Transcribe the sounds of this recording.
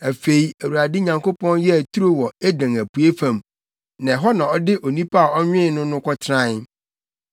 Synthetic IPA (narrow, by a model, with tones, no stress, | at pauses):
æ˨fe˨i˦æ˨wu˨a˨dɪ˦ɲã˨ŋkʰo˦pʰɔ̃˦njɛ˦æ˨tʰu˦ɾo˦wɔ˨ɛ˦dã˨ŋæ˨pʰu˨e˦fã˦˨m | nã˨ɦɔ˦nã˨ɔ˦dɪ˦ʔo˨nĩ˦pʰa˦a˨ɔ˦ɲᶣɪ̃˦nʊ̃˦nʊ̃˦kʰʷɔ˦tʰɾã˦n˦